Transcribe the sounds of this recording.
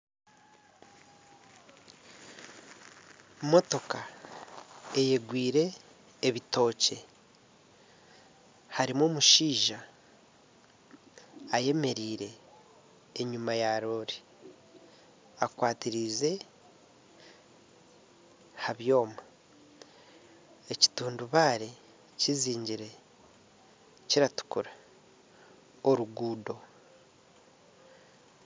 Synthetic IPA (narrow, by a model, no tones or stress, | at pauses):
mo̞to̞ka | e̞je̞ɡwiːɾe̞ː | βito̞ːce̞ | haɾimoːmuʃiːʒa | je̞me̞ɾiːɾe̞ː | ɲumajaɾo̞ɾi | akwaːtiɾize̞ | haβjo̞ːma | eci̥tuːnduβaːɾe | ciziːɲɟiɾe̞ | ciɾatu̥kuɾa | oɾuɡuːdo̞